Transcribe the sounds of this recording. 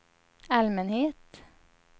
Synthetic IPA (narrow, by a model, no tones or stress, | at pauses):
almɛnheːt̪